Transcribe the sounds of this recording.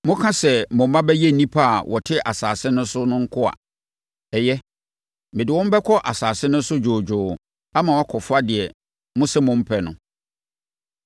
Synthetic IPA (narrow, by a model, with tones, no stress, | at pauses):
mʊ̃˦kʰã˦sɛ˨mʊ̃˨m̩˦mã˦bɛ˦jɛ˦n̩˨nĩ˦pʰa˦a˨wʔɔ˨tʰɪ˦ʔa˨saː˨sɪ˦nʊ̃˦sʊ˦nʊ̃˦ŋ̩˦kʰʊ˦a̰˨ | ɛ˨jɛ˦ | mɪ̃˨dɪ˨wɔ̃˦m̩˦bɛ˦kʰɔ˦ʔa˨saː˨sɪ˦nʊ̃˦n̩˦sʊ˦d͡ʑoː˨d͡ʑᶣʊː˨ | a˦mã˨wa˦kʰɔ˨fʊ˦a˦dɪ˨ɛ˨ | mʊ̃˦sɛ˦mʊ̃˦m̩˦pʰɛ˨nʊ̃˨